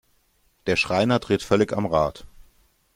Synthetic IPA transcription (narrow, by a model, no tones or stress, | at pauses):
d̥eːɐʃʁ̥aɪnɐdʁ̥ɪːtfœlɪça̰mʁaːt